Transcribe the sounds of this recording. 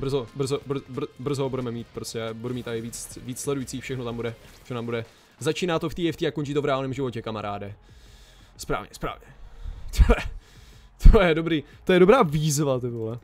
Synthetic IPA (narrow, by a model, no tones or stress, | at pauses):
br̩zobr̩zobr̩b̩br̩zoɦobudɛmɛmiːt̪̚pɾoscʲɛabudumiːt̪aɪviːt͡sviːt͡sslɛdujiːt͡siːfʃɛxnot̪ambudɛɛ̥nt̪ambudɛ | zat͡ʃiːnaːt̪oft̪iːjɛft̪iːakoɲt͡ʃiːt̪ovɾɛaːlnɛːmʒɪvo̞cɛkamaɾaːdɛ | spɾa̰ːvɲɛ̰spɾa̰ːvɲɛt̪ʰojɛ | t̪ʰojɛdobɾiːt̪ojɛdobɾaːvizvat̪ɛt̪olɛ